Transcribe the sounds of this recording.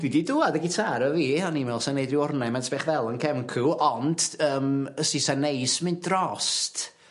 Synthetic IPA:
dididuadəɡɪtʰaɾəviːhanimɛlˠsanejdrɪɔrnɛmɛnsbɛːχvɛlˠənkʰɛmkʰuɔnd̥əːməsisanejsmɪndrɔst

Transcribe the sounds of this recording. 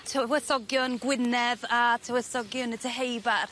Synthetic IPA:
tʰəwɛθɔɡjɔnɡwɪnɛðatʰəwɛθɔɡjɔnətʰəɦejbar

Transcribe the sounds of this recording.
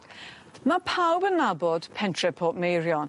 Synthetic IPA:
mapʰawbənabɔd̥pʰɛntʰɹɛpʰɔˑʔmejɹjɔn

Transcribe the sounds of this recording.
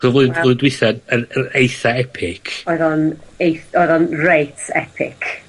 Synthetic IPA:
χɔvʊːvoːɨdwɪθadəɾəɾejθaɛpʰɪkʰɔɨðɔnejθɔɨðɔnrejtʰɛ̰pʰɪ̰kʰ

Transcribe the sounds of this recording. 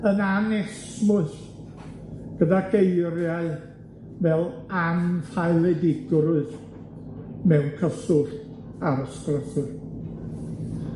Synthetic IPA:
ənanɛsmʊɨɬ | ɡ̥ədaɡejrjaɨ | vɛlˠanfaɨlˠɛdɪɡrʊɨð | mɛwnkʰəsʊɬ | aɾəskrəθʊr

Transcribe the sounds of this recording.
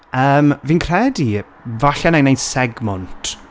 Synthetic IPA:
əːmvinkʰr̥ɛdi | vaɬɛnejnejnsɛɡmɔntʰ

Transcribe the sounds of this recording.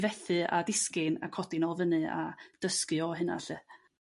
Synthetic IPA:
vɛθɨa̰dɪskɪna̰kʰɔdɪnɔlˠvənɨa̰d̥əskɨɔɦɨna̰ɬɨ

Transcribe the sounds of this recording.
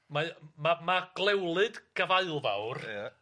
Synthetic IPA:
mamamaɡ̥lˠɛwlˠɨdɡ̥əvaɨlˠva̰wra

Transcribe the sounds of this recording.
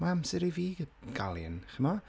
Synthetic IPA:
maamsɛɾiviːɡ̥a̰lˠə̰nχəmɔ

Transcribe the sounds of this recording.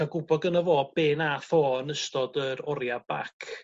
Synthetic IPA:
aɡʊbɔdɡənəvoːbeːnaθoːnəstɔdəɾɔɾjab̥a̰kʰ

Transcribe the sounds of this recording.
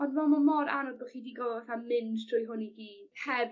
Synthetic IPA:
ɔnvɔmamɔɾa̰nɔd̚bɔχiːdiːɡɔlˠvaθamɪndtʰrʊjɦʊniɡiːd̥hɛv

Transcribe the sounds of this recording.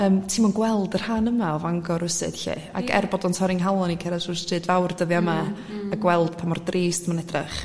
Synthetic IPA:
əːmtʰiːmɔnɡwɛlˠdər̥hanəmaɔvaŋɡɔɾʊsɨ̰d̥ɬḛ | a̰kʰɛ̰rbɔdɔntʰɔɾɪŋɦalˠɔnikʰɛɾad̥ʊstr̥ɨːdvawrdəðjama | əɡwɛlˠd̥pʰamɔrdreːstʰmanɛdrɪχ

